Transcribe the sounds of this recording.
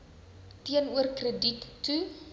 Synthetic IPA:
tiənuərkrəditːu

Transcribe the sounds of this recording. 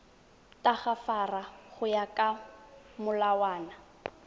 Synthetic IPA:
tʼaχafaraχʊjakʼa | mʊlawaːna

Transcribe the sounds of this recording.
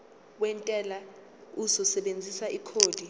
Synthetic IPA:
wɛntʼɛla | uzɔsɛɓend͡zʱisaʔikʰoːd̥ʱi

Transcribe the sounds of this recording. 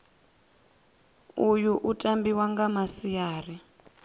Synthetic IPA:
ujuʔutʼambiwaŋɡamasijaːri

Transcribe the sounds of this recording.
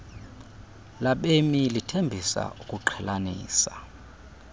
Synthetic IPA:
laɓemilitʰembʱisa̰ʔukʼuǃʰɛlanḭːsa

